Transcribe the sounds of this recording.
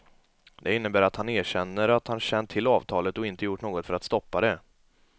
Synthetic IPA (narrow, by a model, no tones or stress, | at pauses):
d̪ɛɪnːəbæːɾat̪haneːɕɛnːəɾat̪hanɕɛndt̪ʰɪlːɑːvt̪ʰɑːlət̪ɔɪnt̪əjʊʈːɳoːɡɔt̪fœɾat̪st̪ɔpːad̪ɛ